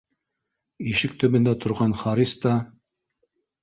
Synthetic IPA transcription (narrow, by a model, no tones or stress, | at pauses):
iʃɘk̚t̪ɵ̆βɘ̆nd̪æt̪ʰŏɾʁɑnχɑɾist̪ɑ